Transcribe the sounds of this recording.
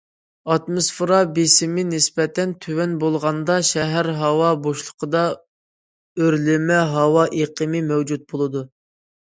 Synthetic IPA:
ɑt̪mosfɾɑbesɪmɪnɪsbɛt̪ʰɛnt̪ʰywɛnbolˠʁɑnd̪ɑʃɛɦæɾɦɑwɑboʃlˠə̥qʰəd̪ɑ | øɾlɪmɛɦɑwɑʔeqʰəmɪmɛwd͡ʒut̪̚bolˠɨd̪u

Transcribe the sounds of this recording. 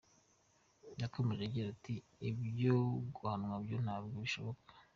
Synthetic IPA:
jakʰo̞me̞ʒeɡiɾati | ibjoɡuhanwabjon̥aːbɡoβiʃo̞βo̞kḁ

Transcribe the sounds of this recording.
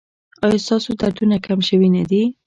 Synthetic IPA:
ɑjɑst̪ɑsod̪aɾd̪unakamʃəwinad̪i

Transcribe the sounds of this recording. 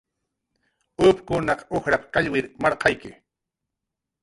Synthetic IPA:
ʊpkʊnɑqoxɾapḁkaʎwɪɾmɑɾqɑjkɪ̰

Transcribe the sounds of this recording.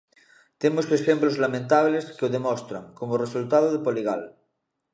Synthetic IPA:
t̪emoseʃemplozlamẽnt̪aβleskeoðemost̪ɾa̰ŋkomoresult̪aðoðepoliɣa̰l

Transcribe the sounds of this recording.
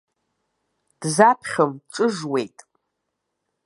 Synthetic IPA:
d̥zapʰχʲəmʈ͡ʂʼɨʐwe̞jtʼ

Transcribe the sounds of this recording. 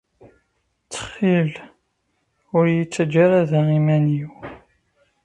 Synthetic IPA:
t͡sːə̥χːil | ʊɾjit͡sːəd͡ʒːaɾaðaʁimæniw

